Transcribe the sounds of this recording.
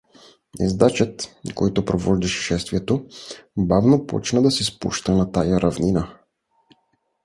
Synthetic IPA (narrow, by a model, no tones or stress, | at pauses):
ɛ̰zd̪at͡ʃət̪kɔjt̪opɾovɔʒd̪ɛʃɛ̥ʃɛst̪viɛt̪obavnopɔ̰t͡ʃnəd̪ɐsɛspṵʃt̪ənat̪ajaɾʔɐvninə